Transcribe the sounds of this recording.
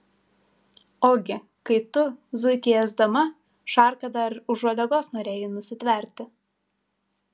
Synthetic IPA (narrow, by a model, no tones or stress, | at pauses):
oːɡʲɪ | kɐɪt̪ʊzʊɪkʲɪjɛzd̪ɐmɐ | ʃɑˑɾkɐd̪ɐɾʊʒɔlʲɛɡoːsnoːɾʲeːjɪnʊsʲɪt̪ʲʋʲɛˑɾʲt̪ʲɪ